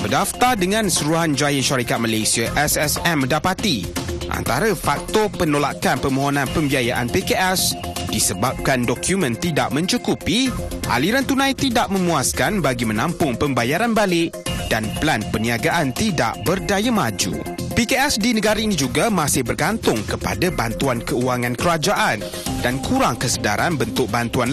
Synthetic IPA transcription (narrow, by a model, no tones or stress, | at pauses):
bədaft̪ardəŋãnsəɾuɦand͡ʒajaʃaɾikat̪̚malejsiaʔɛsɛsɛmːə̃ndapat̪iʔa̰nt̪aɾafak̚t̪ɔpənolakanpəmoɦonãnpəmbiajaʔa̰npekeʔɛsdisəbap̚kandɔkʰjumə̃nt̪ida̰ʔmə̃ɲt͡ʃukupiʔa̰liɾant̪unãjt̪idaʔmə̃muaskanbaɡimə̃nãmpʊŋpəmbajaɾanbalɪʔdanplanpəniaɡaʔant̪ida̰ʔbərdajamad͡ʒṵ | pikeɛsdinəɡaɾainĩd͡ʒuɡamãsɪhbərɡant̪ʊŋkəpa̰dabant̪uankəuaŋãnkəɾad͡ʒaʔan | dankuɾaŋkəsəda̰ɾanbənt̪ʊk̚bant̪uan